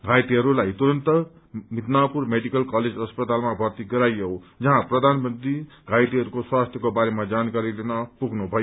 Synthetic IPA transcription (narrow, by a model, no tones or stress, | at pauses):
ɡʱajʈiɦʌɾulajt̪uɾʌnt̪ʌ | mit̪napurmeɖikʌlkaled͡zʌspʌt̪almabʱʌrt̪iɡʌɾajʌod͡zʌɦãprʌd̪ʱanmʌnt̪ɾi | ɡʱajʈiɦʌɾukoswast̪ʰjʌkobaɾemad͡zankaɾilenʌpuɡʱnubʱʌjo